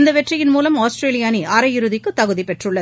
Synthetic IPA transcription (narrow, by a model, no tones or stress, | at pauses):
nd̪ɐʋɛʈrɪjɪnmuːlɐmaːsʈɾeːlɪjaːniʔɐɾɐjɪɾɯðɪkːɯt̪ːɐɣɯðipɛʈrɯɭːɐð